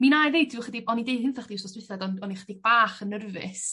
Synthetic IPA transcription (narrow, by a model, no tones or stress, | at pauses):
minajvej̚d̥ɪʊχədiɔnidejhɪnθaχədiwsɔsrɪθadɔnɔniχədiɡ̚baːχənərvɪ̰s